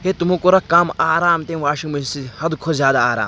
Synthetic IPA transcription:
ɦeːt̪umukoɾɐkaːmaːɾaːmt̪eːʋaːʃiŋmɐsihɐd̪kʰozjaːd̪aaːɾa̰ːm

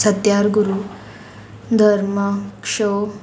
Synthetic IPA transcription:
sɐt̪jaːɾɡuɾu | d̪ʱɐɾmɐkʂoː

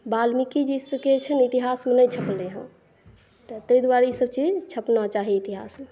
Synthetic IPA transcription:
balmikid͡ʒisəket͡ʃʰənit̪iɦasmenəjt͡ʃʰəpleɦə̰̃ | t̪ət̪əjd̪waɾeisəbt͡ʃid͡ʒt͡ʃʰəpnat͡ʃaɦiit̪iɦa̰sme

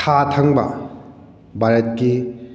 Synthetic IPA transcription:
tʰatʰɐŋbɐ̰ | bʱaɾɐt̚ki

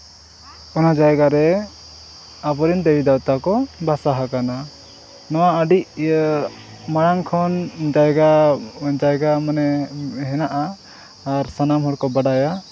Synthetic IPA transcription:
ɔnad͡ʒajɡaɾɛ | apɔɾind̪ewid̪awt̪akɔbasaɦakana | nɔwaəɖic | maɽaŋkʰɔnd͡ʒajɡad͡ʒajɡamanɛɦɛnaʔaː | ɾsanamɦɔɽkɔbaɖaja

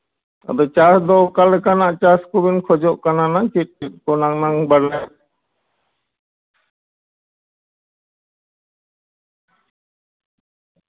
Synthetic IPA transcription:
a̰d̪ɔt͡ʃasd̪ɔkalɛkanaʔt͡ʃaskubinkʰɔd͡ʒɔʔkananat͡ʃit̚ːit̚kɔnaŋnaŋbaɽlɛ

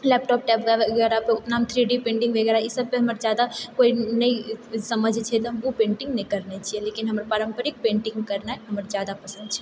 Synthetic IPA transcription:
lɛːpʈɔːp̚ʈɛpɡɛʋeɡɛɾapeʊt̪namt̪ʰɾiɖipẽːɳʈĩŋɡʋʱeɡɛɾaɦɛisəb̚peɦɐməɾd͡ʒjad̪akoinəisəməd͡ʒʱt͡ʃʰɛt̪ɔɦɐmupẽːɳʈĩŋɡnəikəɾnet͡ʃʰielekinɦəməɾpaɾəmpəɾik̚pẽːɳʈĩŋɡkəɾnaɦɛɦəməɾd͡ʒjad̪apəsə̃nd̪̚t͡ʃʰɛ

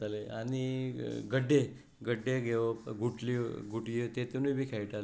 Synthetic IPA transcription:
alea̰ñiɡəɖʱːe | ɡəɖʱːeɡeɡʱuʈliɡʱuʈit̪et̪enubʱiːkʰajiʈale

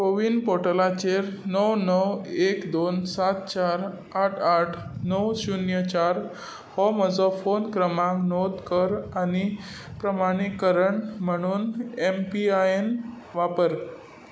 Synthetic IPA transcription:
ɾoʋinpoʈəlat͡ɕeɾnəwnəwekd̪onsat̪̚t͡ɕaɾ | aʈʰaʈʰnəwsunjət͡ɕaɾ | hɔməd͡zɔfonkɾəmãŋknɔd̪kəɾani | pɾəmaɽ̃ikəɾəɳm̤əɽ̃uːnempiaen | ʋapəɾ

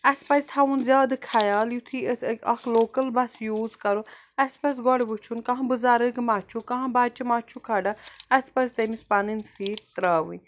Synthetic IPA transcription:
ɐspɐzʲt̪ʰaːʋunzjaːd̪kʰɐjaːljut̪ʰiɐkʰloːkɐlbɐsjuːzkɐɾo | ɐspɐsɡɔɽbut͡ʃʰunkɐ̃ɦãbuzaːɾəɡmaːt͡ʃʰukɐ̃ɦãbaːd̪̚t͡ʃimaːt͡ʃʰukʰaːɖaɐspɐzt̪emispaninsiːt̪ɾaːʋu

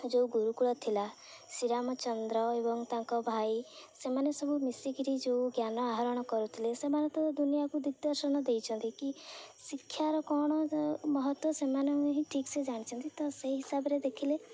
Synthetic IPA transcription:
d͡ʒeuɡuɾukuɽɔt̪ʰila | siɾamɔt͡ʃɔnd̪ɾɔebɔŋt̪aŋkɔbʱajsemanesɔbʱumisiɡiɾid͡ʒeuɡjanɔaɦɔɾɔɽ̃ɔkɔɾut̪ʰilesemanɔt̪ɔd̪unijakud̪iɡ̚d̪ɔɾsɔnɔd̪ejt͡ʃʰɔnt̪ikisikʰːjaɾɔkɔɽ̃ɔmɔɦɔt̪wɔsemanɔŋɦĩʈʰiksed͡ʒaɽ̃it͡ʃʰɔnt̪it̪ɔseɦisabɔɾed̪ekʰile

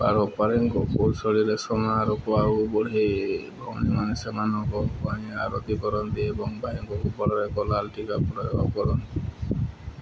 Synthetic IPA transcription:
pa̰ɾɔpaɾeŋkɔkulsɔɽiɾesɔmaɾɔkɔaubɔɽejbʱɔm̰nimanesemanɔkɔkɔ̃aɾɔ̰t̪ikɔɾɔnt̪iebɔŋbaɦiŋkɔkupɔɽɔɾekɔlalʈikapɾɔjɔɔ̰kɔɾɔnt̪i

